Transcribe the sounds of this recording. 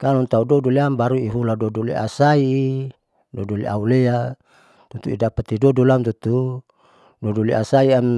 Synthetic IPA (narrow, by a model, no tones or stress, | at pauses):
kalɔnt̪audɔduliambaɾuiɦuladɔdulḭa̰saiː | dɔdulḭa̰ulea | t̪ut̪uḭdapat̪idɔdulamt̪ut̪u | dɔdulḭʔasaiam